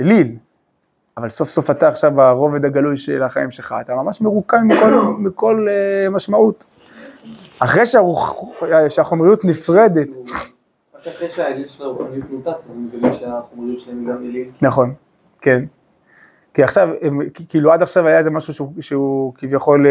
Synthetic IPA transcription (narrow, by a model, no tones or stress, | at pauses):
elil | avalso̞fso̞fataːχʃavaʁo̞ved̪aɡalujʃelaχaimʃelχa̰at̪amamaʃmeʁukanmikolmiko̞lemaʃmaut | aχʁejʃeau | ʃeaχo̞mʁijut̪nifʁe̞d̪e̞t | akaχʁejʃeaelilʃelaʁuχanijut̪mut̪at͡sazemekaviʃeaχomʁijutʃelaemiɡamelilnaχo̞n | ke̞n | kiaχʃavemkikiːluad̪aχʃavajaezemaʃuʃuʃeukivjaχo̞l